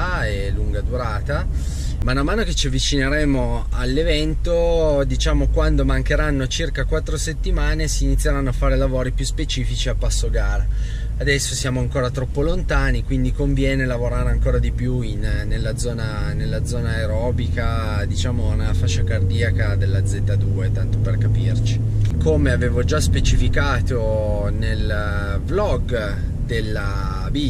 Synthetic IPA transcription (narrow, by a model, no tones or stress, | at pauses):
eluŋɡad̪uɾaːt̪a | manamaːnoket͡ʃːiavːit͡ʃineɾɛːmoalːevɛnt̪od̪it͡ʃaːmokwand̪omaŋkeɾanːot͡ʃirkakwat̪ːɾoset̪ːimaːnesiːnit̪sːjeɾanːoafːaːɾelavoːɾipjuspet͡ʃiːfit͡ʃiapːasːoɡaːɾaː | d̪ɛsːosjaːmoaŋkoːɾat̪ɾɔpːolont̪aːnikwind̪ikoɱvjɛːnelavoɾaːɾeaŋkoːɾad̪ipjuinːelːad̪zɔːna | nelːad̪zɔːnaeɾɔːbika | d̪it͡ʃaːmonafaʃːakard̪iːakad̪elːad̪zet̪ːad̪uːet̪ant̪operkapirt͡ʃi | komeaveːvod͡ʒaspet͡ʃifikaːt̪o | nel | blɔɡ | d̪elːa | bi